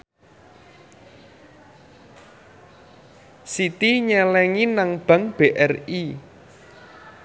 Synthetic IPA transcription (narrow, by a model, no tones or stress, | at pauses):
sit̪iɲɛlɛŋinaŋb̥a̤ŋb̥eʔɛri